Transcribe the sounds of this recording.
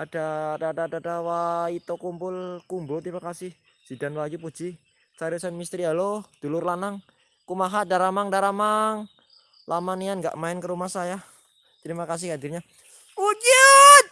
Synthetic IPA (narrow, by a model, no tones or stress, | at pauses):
ad̥adaːdaːdadawait̪okumpʊlkumbot̪ɾimakasɪh | z̥idanwaɡipu̥d͡ʒ̥i | t͡ʃaɾusanmist̪ɾialod̥olʊrlanaŋ | kumaɦadaɾamaŋdaɾamaŋ | lʔamanianŋɡa̰ʔmaɪnkəɾumahsaja | t̪ɾimakas̬ɪhɦadirɲa | ud͡ʒət̪̚